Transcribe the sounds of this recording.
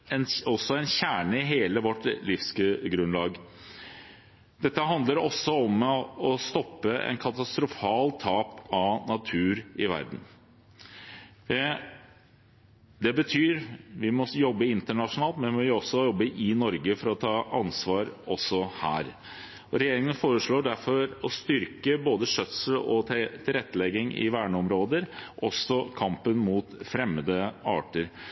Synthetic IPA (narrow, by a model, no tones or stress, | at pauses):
ɛnɔsːɔɛnçæːɳəɪɦeːləʋɔʈːlɪfsɡɾʉnlɑːɡ | d̪̥ɛt̪ːəɦɑnd̪ləɾɔsːɔɔmɔst̪ɔpːəɛ̰nkʰɑt̪ɑst̪ɾʊfɑːlt̪ʰɑːpɑnɑt̪ʰʉːɾɪʋæ̰ɾd̪n̩ | d̪ɛbət̪ʰyːɾʋɪmɔjɔbːəɪnt̪əɳɑʂʊnɑːlt̪mɛnmɔʋɪɔsːɔjɔbːəʔɪnɔɾɡəfɔɾɔt̪ʰɑːʔɑnsʋɑːɾɔsːɔhæ̰ːɾ | ɔɾɛjeːɾɪŋənfoːɾəʂɭoːɖæɾfɔɾɔst̪ʏɾkəboːd̪əʂœt̪səlɔt̪ʰɪlɾɛt̪ːəlɛɡːɪŋɪ̰ʋæːɳəɔmɾoːd̪əɾʔɔsɔkʰɑmpənmuːt̪fɾɛmːəd̪əɑ̰ːʈəɾ